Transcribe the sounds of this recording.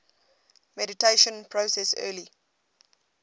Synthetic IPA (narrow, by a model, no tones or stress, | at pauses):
mɛditʰeʃə̃npʰɹosɛsɜ̰ːli